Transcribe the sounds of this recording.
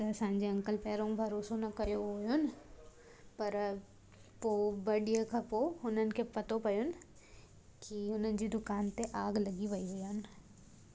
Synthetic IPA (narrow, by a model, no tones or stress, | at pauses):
t̪ɐsãːɲd͡ʑeɐ̃ŋkəlpɛːɾõbʱɐɾoːsonɐkɐjoɦʊjʊnɪ̆ | pɐɾ | pobɐɗijakʰapoɦʊnənɪ̆kʰepɐt̪opɐjʊnɪ̆ | kiʊnənɪ̆d͡ʑiːd̪ʊkaːnt̪eʔaːɡlɐɡiʋɐiɦʊian